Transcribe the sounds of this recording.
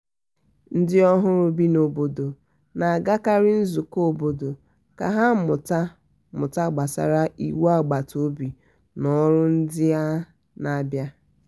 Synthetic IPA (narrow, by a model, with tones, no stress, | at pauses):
n̩˦dɪ˦ɔ˦ɦʊ˦ɾʊ˦bi˦no˨bo˨do˨ | na˨a˨ɡa˦ka˦ɾɪ˦n̩˦zu˨ko˦˨bo˨do˨ | ka̰˨ɦa˦mʊ˨ta˦ | mʊ˨ta˦ɡ͡ba˨sa̰˨ɾa˦ʔḭ˨wa˦˨ɡ͡ba˨to˦bi˨ | nɔ˦ɾʊ˦n̩˦dɪ˦ja˦ | na˨˦bja˦